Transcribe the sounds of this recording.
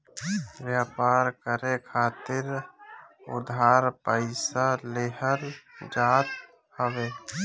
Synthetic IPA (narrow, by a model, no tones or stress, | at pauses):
ʋjaːpaːɾkəɾekʰaːt̪ɪɾ | ʊ̰d̪ʱaːɾpəɪsaleɦəɾd͡ʒaːt̪ | həʋeː